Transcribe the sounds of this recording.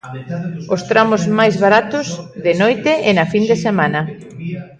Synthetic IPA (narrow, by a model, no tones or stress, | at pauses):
ost̪ɾamʊzmajzβaɾat̪ʊzðɪnojt̪ɪɪnɐfind̪esemanɐ